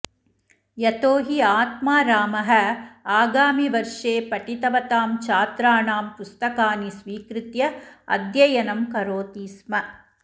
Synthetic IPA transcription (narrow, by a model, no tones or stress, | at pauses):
jɐt̪oːɦiaːt̪̚maːɾaːmɐɦɐ̆aːɡaːmiʋɐɾʂeːpɐʈit̪ɐʋɐt̪aːmt͡ʃaːt̪ɾaːɳaːmpust̪ɐkaːnisʋiːkɾɪt̪jɐɐ̰d̪jɐjɐnɐmkɐɾoːt̪iːsmɐ